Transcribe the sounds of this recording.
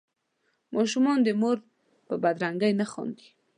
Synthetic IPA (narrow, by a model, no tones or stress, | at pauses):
mɑʃumɑnd̪əmoɾ | pəbad̪ɾaŋɡəjnaxɑ̰nd̪i̥